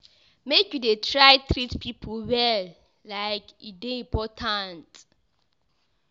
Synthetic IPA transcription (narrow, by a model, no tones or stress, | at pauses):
mekjudetʰɹajtʰɹitpʰipʰɔwɛl | lajkideĩmpʰɔtʰãnt